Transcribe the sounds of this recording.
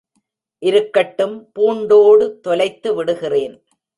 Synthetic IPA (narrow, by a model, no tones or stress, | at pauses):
ʔɪɾɯkːɐʈːɯmpuːɳɖoːɽɯt̪ɔlɐɪt̪ːɯʋɪɽɯɣɪreːn